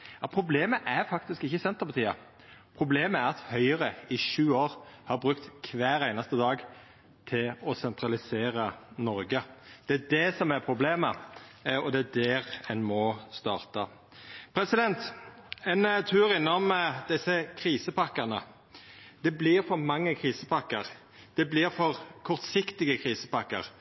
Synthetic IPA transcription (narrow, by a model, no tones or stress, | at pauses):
jɑpʰɾʊbleːməʔæɾfɑk̚t̪ɪskɪçːəsɛnt̪ːəpʰɑt̪ʰiːɑ | pʰʁʊbleːməæɾɑt̪hœʏəʁəɪʃʉːoːɾhɑɾbʁʉkt̪kʰʋæːɾæɪnɑst̪əd̪ɑːɡ | t̪ʰɪlɔsɛnt̪ɾɑlɪseːɾɑnɔɾɡəd̪̥ɛæd̪ɛsɔmæɾpʰɾʊbleːmə | ɔd̪ɛæd̪eːʁɛnmɔst̪ɑːʁt̪ɑ | pʰɾɛsɪd̪ɛnt̪ɛnt̪ʰʉːɾɪnːɔmd̪ɪsːəkʰɾiːsəpʰɑkːəʁnə | d̪̥ɛblɪʁfɔʁmɑŋːəkʰʁiːsəpʰɑkːəʁ | d̪̥ɛblɪɾfɔʁkʰɔʁt̪sɪkt̪ɪɡəkʰʁiːsəpɑkːə̰ʁ